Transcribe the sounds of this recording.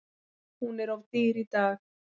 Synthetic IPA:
huneɾovt̪iːɾit̪a

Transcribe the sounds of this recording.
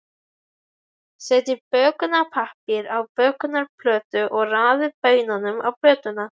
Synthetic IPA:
sɛːt̪ɪpœːkʏnapʰahpɪɾawpœːkʏnaɾpʰlœːt̪ʏʔɔɣraːðɪɾpœːɥjnanʏma̰wplɾœːt̪ʏna

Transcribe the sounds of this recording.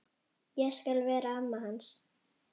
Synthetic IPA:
jaskalβɛɾaamːaɦans

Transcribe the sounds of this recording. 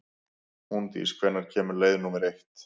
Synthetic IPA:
hunt̪ḭskʰvɛnːaɾ̥cʰɛːmʏɾleːjðnumɛɾejht̪

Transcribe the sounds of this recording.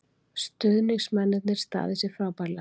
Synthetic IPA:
st̪ʏðniŋsmɛnːɪt̪nɪɾ̥st̪a̰ːðɪsɪ̥fɾaːwpaɾla

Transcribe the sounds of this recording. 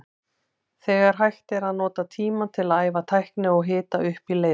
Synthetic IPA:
θɛːɣaɾ̥ɦajht̪ɛɾaðnɔːt̪at̪ʰiːmat̪ʰɪlaðaːjvat̪ʰajhknɪɔɣɦɪːt̪aʏhpileː

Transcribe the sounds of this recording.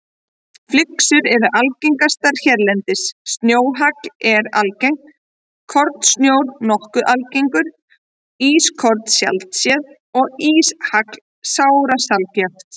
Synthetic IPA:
flɪksʏɾɛɾʏʔalciŋkast̪aɾ̥çɛɾlɛnt̪ɪsːt̪njoːwɦaklɛɾa̰lcejŋn | kʰːɔɾt̪snjoːwɾnɔhkʏʔalciŋkʏɾ | iːskʰɔɾt̪sja̰lt̪sjɛð | ɔɣiːshakl̥ | saːwɾasalcaft̪

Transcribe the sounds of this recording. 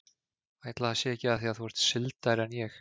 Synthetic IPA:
aːjt̪laðasjɛɛcɪaðθiaðθuɛɾ̥t̪sɪlt̪aɾɛnjɛx

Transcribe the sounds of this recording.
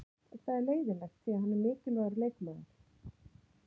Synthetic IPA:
θaðɛɾleːjðɪlɛxt̪siːahanːɛɾmɪːcɪlvaɣɾlejkmaðɪ̰ɾ̥

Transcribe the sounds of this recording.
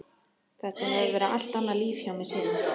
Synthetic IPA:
θɛht̪ahɛðvɛːɾaʔal̥t̪anːaliːfçjawmɛsɛːnɪ

